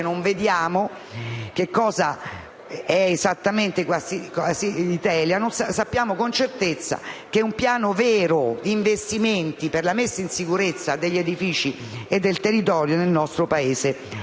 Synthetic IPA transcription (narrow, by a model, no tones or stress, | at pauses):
noɱved̪jaːmo | k̟ekːɔːza | ɛezat̪ːament̪ekwasikɔsiit̪ɛːljanonsasapːjaːmokont͡ʃert̪et̪sːa̰k̟eumpjaːnoveːɾod̪iːɱvest̪iment̪iperlamesːainsikuɾet̪sːad̪eʎːed̪ifiːt͡ʃi | ed̪ːelt̪erːit̪ɔːɾjonelnɔst̪ɾopaeːze